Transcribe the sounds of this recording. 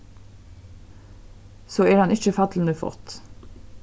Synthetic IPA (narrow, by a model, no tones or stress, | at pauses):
soːeːɾɑnʔɪçəfɑt̪ʰl̩n̩əfɔ̰t̪